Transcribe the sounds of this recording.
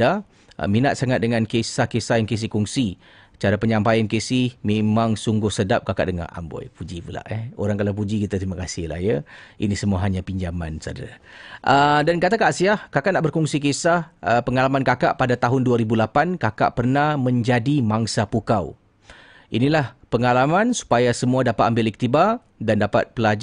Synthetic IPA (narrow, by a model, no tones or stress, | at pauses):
a̰ | minat̪̚saŋat̪̚dəŋankesahkesajaŋkes̬ɪhkuŋsi | t͡ʃaɾapəɲãmpajankesɪhmemãŋsuŋɡʊhsədap̚kakaʔdəŋa̰hʔa̰mbɔ̰jpud͡ʒipula̰ʔɛo̰ɾaŋkalawp̬ud͡ʒikit̪at̪ɾimakasɪhla̰hjəḭnisəmuaɦaɲapiɲd͡ʒama̰nsa̰da̰ | ʔədankat̪akaʔsiahkakaʔnaʔbərkɔŋsik̬esahəpəŋalamankakaʔpadat̪aɦʊnduaɾibulapankaka̰ʔpərnahmə̃ɲd͡ʒadimaŋsapukaw | ʔinilahpəŋalamansu̥pajasəmuadapat̪ambɪlik̚t̪iba | dandapa̰t̪̚pəlad͡ʒ